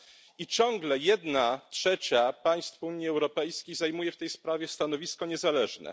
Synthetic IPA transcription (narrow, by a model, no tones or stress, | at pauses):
it͡ɕɔ̃ŋɡlɛjɛd̪natʂɛt͡ɕapaj̃st̪fuɲjiɛwɾɔpɛjskʲejzajmujɛft̪ɛjspɾavʲjɛst̪anɔvʲiskɔɲɛzalɛʐnɛ̰